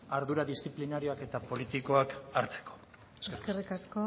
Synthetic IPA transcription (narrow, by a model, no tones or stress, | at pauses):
aɾðuɾaðist̪t͡siplinaɾio̞ake̞t̪apo̞lit̪iko̞akaɾt͡se̥ko | eskerikasko̞